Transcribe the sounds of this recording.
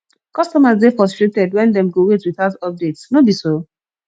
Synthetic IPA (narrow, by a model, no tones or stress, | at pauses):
kɔstɔmasdefɔstɹek̚tɛdwɛ̃ndɛ̃mɡowetwiθaʊtɔp̚detsnobiso